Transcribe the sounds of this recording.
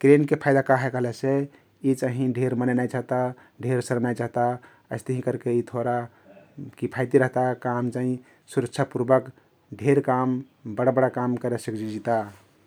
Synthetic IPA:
kɾenkepʰaɪd̪akaɦɛkəɦlese | it͡ʃaɦĩɖʱeɾmənənajt͡ʃaɦt̪a | ɖʱeɾsəɾnajt͡ʃaɦt̪a | əɪst̪əɦĩkəɾkeit̪ʰoɾa | kipʰajt̪iɾəɦt̪akamt͡ʃaɦĩ | suɾək̚t͡ʃʰapuɾbək | ɖʱeɾkam | bəɽabəɽakamkəɾɛsəkd͡ʒid͡ʒit̪a

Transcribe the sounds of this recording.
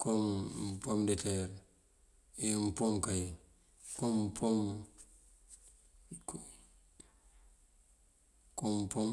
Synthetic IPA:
kompomdeteɾ | em̩pomkaji | komːpʰom | k | kompom

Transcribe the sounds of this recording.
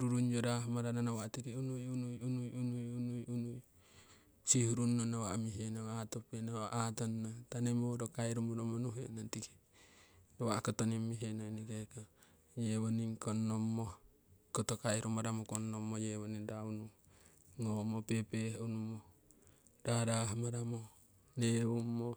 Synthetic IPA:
ɾuɾuɲd͡ʒoɾamaɾananawaʔtikiunujunujunujunujunujunuj | sihuɾunːonawaʔmiɦenoatopenaaʔatonːatanemodokaiɾumuɾomonuɦenatiki̥ | dowakot̪onimːiɦenojnikeko | jeβoniŋkonːomːo | kotokaiɾumaɾamokonːomːojewoninɾaunu | ŋomopepehunumo | daɾaɦmaɾamo | neumːo

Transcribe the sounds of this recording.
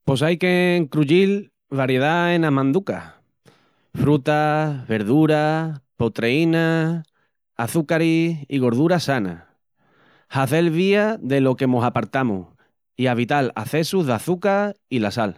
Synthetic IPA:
po̞sajke̞ŋkɾuʎil | βaɾje̞ð̞aenamãnd̪uka̰ | fɾut̪aβe̞ɾðuɾapot̪ɾeina | aθukaɾiiɣo̞ɾðuɾasana̰ | haθe̞lβ̞iaðe̞lo̞ke̞mo̞sapaɾt̪amṵh | iaβ̞it̪ala̰θe̞suɦðaθukailasal

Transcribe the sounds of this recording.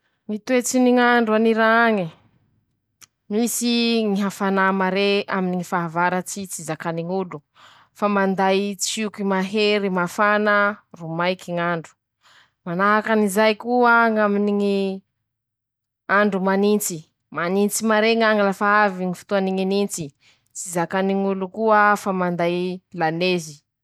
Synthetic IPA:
ŋit̪uet͡siniŋaɳɖ͡ʐuaniɾaaŋi | nisiŋiɦafanamaɾeaminiŋifaɦavaɾat͡sit͡sizakaniŋulu | famand̪ajt͡sikimaɦeɾimafanarumajkiŋaɳɖ͡ʐu̥ | manaɦakanizajkuaŋaminiŋi | aɳɖ͡ʐumanint͡si | manint͡simaɾeŋaŋalafaaviŋifi̥t̪uaniŋinint͡si | t͡sizakaniŋulukuəfamand̪ajlanezi

